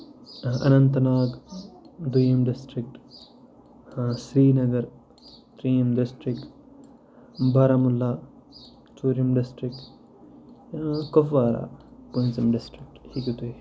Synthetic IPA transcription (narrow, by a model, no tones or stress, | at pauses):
ɐ̰nɐnt̪ɐnaːɡ | d̪ujɐmɖɪsʈɾik̚ʈ | sɾiːnɐɡɐɾ | t̪ɾijɐmɖɪsʈɾikʈ | bɐɾɐmulːaː | t͡ʃuːɾɐmɖɪsʈɾik̚ʈ | kofʋaːɾa̰ːponsɐmɖɪsʈɾik̚ʈhikut̪ui